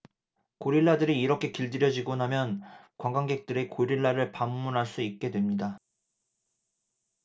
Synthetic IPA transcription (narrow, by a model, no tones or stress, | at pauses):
koɾiɭːadɯɾiːɾʌkʰe̞kiɭdɯɾjʌd͡ʑiɡonamjʌnkwaŋɡwaŋɡe̞k̚t͈ɯɾe̞koɾiɭːaɾɯɭpamːunɦaɭs͈uit̚k͈e̞dwe̞mɲida